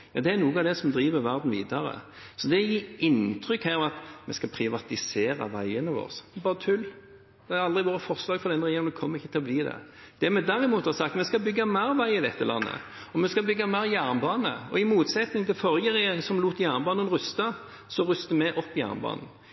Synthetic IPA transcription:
jɑ̰ːd̪ɛæɾnuːəɑd̪ɛsɔmd̪ɾiːʋəɾʋæʁd̪n̩ʋḭːd̪ɑɾə̰ | sɔd̪ɛjiːɪnt̪ʰɾʏkhæːɾɔmɑt̪mɛskɑpʰɾɪʋɑt̪ɪseːɾɑ̰ʋæɪənəʋo̰ːʁsbɑːɾət̪ʰʉl | d̪̥ɛæɑld̪ʁɪʋoːɾəfɔʁslɑːɡfɔɾd̪ɛnːəɾɛjeːɾmd̪ɛkʰɔmːəʁɪçːət̪ʰɪlɔbliːd̪ɛ̰ | d̪̥ɛmɛd̪æɾɪmuːt̪hɑsɑk̚t̪mɛskɑbʏɡːɑmæɪɾʋæɪɪd̪ɛt̪ːəlɑ̰nːə̰ | ɔmɛskɑbʏɡːɑmæːɾjæʁnbɑːnə̰ɔɪmuːt̪sɛt̪nɪŋt̪ʰɪlfɔɾjəʁɛjeːɾɪŋsɔmluːt̪jæːʁnbɑːnənʁʉst̪ɑ | sɔʁʉst̪əmɛʔɔpːɪjæ̰ːʁnbɑ̰ːnn̩

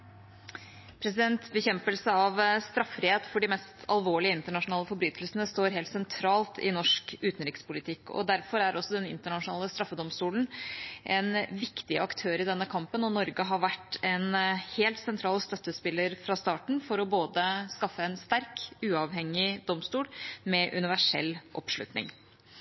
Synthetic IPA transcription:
pʰɾɛsɪd̪ɛnt̪bəçɛmpəlsəɑʋst̪ɾɑfɾɪheːt̪fɔɖɪmɛst̪ʰɑ̰lʋoːɭɪəɪnt̪əɳɑʂʊnɑːləfɔɾbɾyːt̪ʰəlsnəst̪oːɾɦeːlt̪sɛnt̪ʰɾɑːlt̪ʰɪ̰nɔʂkʉːt̪nɾɪkspʊlɪt̪ʰɪkːɔ̰d̪æɾfɔɾæɾʔɔsːɔd̪ɛnɪ̰nt̪əɳɑʂʊnɑːləst̪ɾɑfːəd̪ɔmst̪uːln̩ʔɛ̰nʋɪkt̪ɪɑkt̪ʰøːɾɪd̪ɛnːəkʰɑmpənɔnɔɾɡəɦɑʋæʈːɛnheːlt̪sɛnt̪ʰɾɑːlst̪œt̪ːəspɪlːəɾfɾɑːst̪ɑːʈɳ̩fɔɾɔboːd̪əskɑfːəɛnst̪æɾkʉːɑʋɦɛŋːɪd̪ɔmst̪uːlmɛʔʉnɪʋæʂɛ̰lːʔɔ̰pʂlʉ̰t̪nɪ̰ŋ

